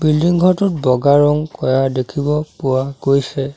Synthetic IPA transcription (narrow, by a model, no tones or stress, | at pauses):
bildiŋɡʱɔtʊt̚bɔɡaɹɔŋkɔjadekʰibɔpʊwaɡojsɛ